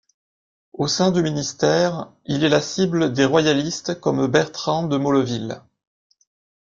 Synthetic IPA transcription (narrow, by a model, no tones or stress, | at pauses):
osɛ̃d̪yminist̪ɛːʁ | ilɛlasibləd̪eʁwajalist̪kɔmbɛʁt̪χɑ̃d̪əmɔlɔvil